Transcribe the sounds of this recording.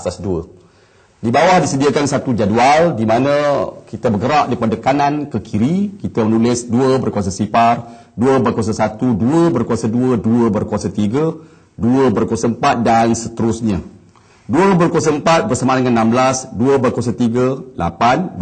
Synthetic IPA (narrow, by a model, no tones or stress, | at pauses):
asasduə | dibawahdisədiakansat̪ud͡ʒadualdimanə̃kit̪əbəɡəɾaʔdəɾipadakanãnkəkʰiɾikit̪əmənũlɪsduəbərkuas̬asipar | duəbəkwas̬asat̪uduəbərkuasaduəduəbərkuasat̪iɡə | duəbərkuasaəmpat̪̚dansət̪əɾʊsɲə | duəbərkuasaəmpat̪̚bərsamadəŋanːãmblasduəbərkuas̬at̪iɡəlʔa̰pan